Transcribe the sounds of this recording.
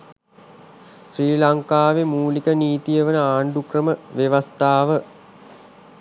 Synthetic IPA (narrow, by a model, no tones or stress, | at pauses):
sriːlaŋkaːʋemuːlikəniːt̪ijəʋənəaːɳɖukrəməʋeʋɐst̪aːʋə